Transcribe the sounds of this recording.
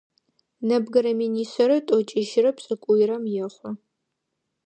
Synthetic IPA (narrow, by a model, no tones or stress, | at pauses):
nɐbɡɐɾɐminiːsɐɾɐtʼɔt͡ʃʼiʒɪrɐpsʼɨkʷʼʊjɾɐmjɛχʷɔ